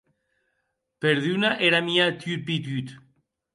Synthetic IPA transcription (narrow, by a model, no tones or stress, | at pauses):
peɾðynaʔeɾamiat̪yɾp̬it̪yt̪